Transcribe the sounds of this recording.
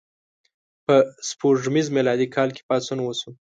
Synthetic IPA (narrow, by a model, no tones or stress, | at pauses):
pəspoʐmizmelɑd̪ikʰɑlke̥pɑsunwosu